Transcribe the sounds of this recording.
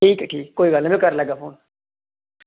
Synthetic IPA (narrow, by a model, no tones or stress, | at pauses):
ʈʰiːkʈʰiːkkːoːiɡaːləmĩkəɾləɡaːfoːn